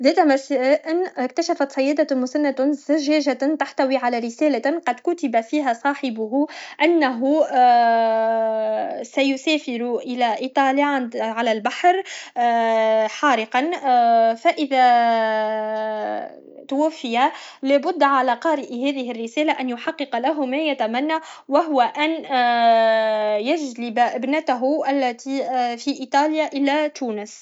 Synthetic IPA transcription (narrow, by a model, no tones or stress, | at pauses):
ðɛːt̪mæsæːʔɪnkt̪aʃæfat̪sˤɑjːɛːd̪amʊsanːat̪zaʒɛːʒat̪aħt̪awiʕalæɾɪsɛːlaqɑd̪kʊt̪ɪbafiːɦæsˤɑːħɪbʊɦʔanːaɦu | sæjʊsɛːfɪɾuʔɪlæʔit̪ˤɑːliʕanʕalælbaħɾ | ħɑːɾɪqɑn | faʔɪðæ | t̪ʊwafːɪjalæːbʊd̪ːʕalæqɑːɾɪʔhæːðɪɦɪrːɪsæːlaʔænjʊħɑqːɨqlaɦʊmæjat̪æmanːawaɦʊwaʔæn | jaʒlɪbbnat̪aɦʊʔalːæt̪ifiʔiːt̪ˤɑːljaʔɪlːæt̪uːnəs